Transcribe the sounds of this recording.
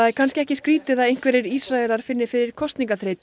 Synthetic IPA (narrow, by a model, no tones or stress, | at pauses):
aðɛɾkʰanscɪɛhcɪskɾiːt̪ɪðaðejŋ̥kvɛɾɪɾisɾaɛlaɾ̥fɪnːɪfɪɾɪɾ̥kʰɔst̪niŋkaθɾeːjt̪